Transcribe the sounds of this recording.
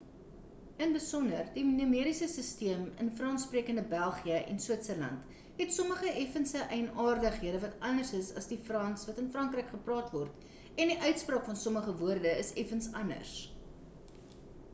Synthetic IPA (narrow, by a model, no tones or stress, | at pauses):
ənbəsɔnərdinyəmiəɾisəsəstiəmə̰nfrɑnspriəkəndəbælˠχiəʔɛ̰nswətsəlɐ̰nt | ɦɛtsɔməχəʔɛfənsəʔɛjnɑːrdəχɦiədəvɐtɐnərsəsɐsdifrɐnsvɐtənfrɐŋkrɛjkχəprɑːtvɔrt | ɛndiʔœɥtsprɑːkfɐnsɔməχəvuərdəəsɛfənsɐnə̰rs